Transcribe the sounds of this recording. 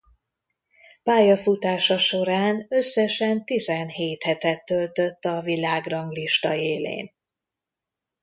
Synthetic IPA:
paːjɒfut̪aːʃɒʃo̞ɾaːnø̞sːɛʃɛnt̪izɛnheːt̪hɛt̪ɛt̪ːølt̪ø̞t̪ːɒvilaːɡrɒŋɡliʃt̪ɒeːlḛːn

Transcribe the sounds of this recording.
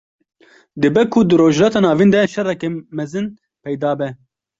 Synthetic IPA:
d̪ɨbɛkʰʊd̪ɨɾoːʒlɑːt̪ɑːnɑːvind̪ɛʃɛrɛkɛmɛzɨn | pʰɛjd̪ɑːbɛ

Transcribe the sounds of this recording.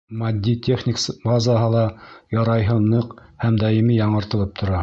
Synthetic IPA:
mɐd̪ʲːitʲʰeχnʲiksbazaɦɤlˠɑjɑɾɑjɦɤnɤqhæmd̪ɑjimijɑɴɤ̆ɾt̪ɤ̆lˠɤp̚t̪ʰŏɾɑ

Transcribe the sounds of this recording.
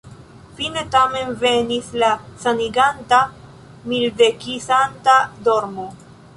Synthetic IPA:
fine̞tame̞nve̞nislasaniɡanta | mildekisantadoɾmo

